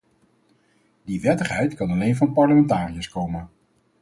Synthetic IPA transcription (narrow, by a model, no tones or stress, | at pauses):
diʋɛtəχɦɛjtkɑnɑlejnvɑnpɑɹləmɛntaːrijəskowmən